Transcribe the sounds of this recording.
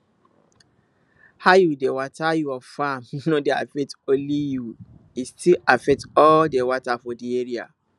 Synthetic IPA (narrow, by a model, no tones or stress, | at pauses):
hajudewatʰajuafãmnõdea̰fɛk̚tõliju | istilafɛk̚tɔldewatafɔdieɾia̰